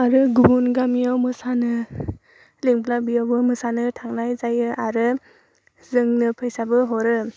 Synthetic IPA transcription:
aɾɯɡubunɡamijawmɯsanɯ | leŋbʰlabijawbɯmɯsanɯtʰaŋnajzajɯʔaɾɯ | zɯŋnɯpʰɯjsabɯɦɔɾɯ

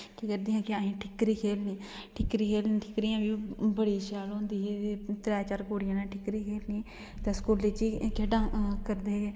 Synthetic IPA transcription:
kikəɾd̪iːãːkɪaːɦĩːʈʰɪkɾiːkʰeːlniː | ʈʰɪkːɾiːkʰeːlniʈʰɪkɾijãːbiːbəɽiːʃaːlɦõːnd̪iːɦeːt̪ɾɛːt͡ʃaːɾkoːɽɪjãːnãːʈʰɪkɾiːkʰeːlnĩː | t̪ẽskuːlːeːt͡ʃiːkʰeːɖãːkəɾd̪eːeː

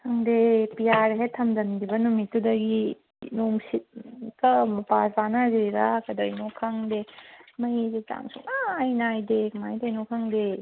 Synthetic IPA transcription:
hʰɐŋdepijaɾɦetʰɐmdɐndibɐnumitːudɐɡi | noŋsit̚kɐmɐpaspanɐzeɾɾakɐdɐjnokʰaŋdemɐjzeta̰ŋsuŋaːjnajdekmajdɐjnokʰaŋde

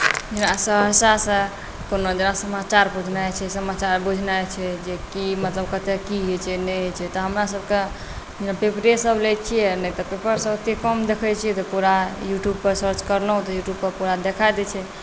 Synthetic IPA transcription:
d͡ʒenasəɦəsasə̃ | konod͡ʒenasəmat͡ʃaɾbud͡ʒʱnajt͡ʃʰɛsəmat͡ʃaɾbud͡ʒʱnajt͡ʃʰɛd͡ʒekimət̪ləb̚kət̪ekiɦet͡ʃʰɛnɛt͡ʃʰɛt̪ɔɦəmɾasəb̚ke | d͡ʒenapepɾesəblet͡ʃʰijɛnɛt̪ɔpepəɾsəbət̪ikəmd̪ekʰɛt͡ʃʰijɛt̪ɔpuɾajuʈjub̚pəɾsəɾt͡ʃkəɾləɦũt̪ɔjuʈjubpəɾpuɾad̪ekʰajd̪ɛt͡ʃʰɛ

